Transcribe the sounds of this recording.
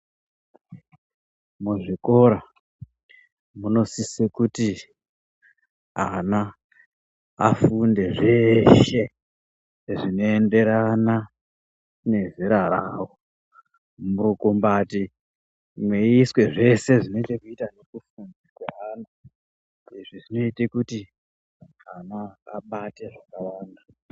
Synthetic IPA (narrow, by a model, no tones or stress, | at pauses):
muʐiko̞ɾa | muno̞sisekuti | ana | a̰funde̞ʐe̞ʃe̞ | ʐino̞ende̞ɾana | ne̞ziɾaɾawo | muɾukumbaːti | mwe̞iswe̞ʐe̞se̞ʐino̞itekuitanekufunzikweɦaːna | iʐiʐino̞itekuti | anaːɓate̞ʐakawaːnda